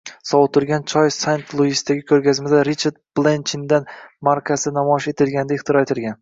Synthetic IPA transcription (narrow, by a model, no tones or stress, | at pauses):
sɒwʊt̪ʰʊɾɡʲant͡ʃʰɒjsant̪ʰlˠuist̪ːaɡʲɪkʰɵɾɡʲazmɪd̪aɾit͡ʃʰaɾd̪̚b̥lˠent͡ʃɪnd̪anmaɾkʲʰasɪnamɒɪʃe̞t̪ʰɪlɡʲanɪd̪aɪχt̪ʰɪɾɒe̞t̪ʰɪlɡʲan